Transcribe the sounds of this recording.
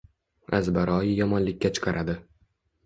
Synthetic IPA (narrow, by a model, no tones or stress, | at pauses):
azbaɾɒjɪjɒmɒnlɪkʲːat͡ʃʰɨ̥qʰɑɾʔad̪ɪ